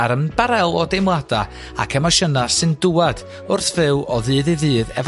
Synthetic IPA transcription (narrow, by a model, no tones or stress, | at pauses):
aɾənb̥aɾɛlˠɔdejmlˠad̥a | a̰kʰɛmɔʃənasɨndʊad̥ | ʊrθv̥ɪwɔðɨːðɨðɨːðɛv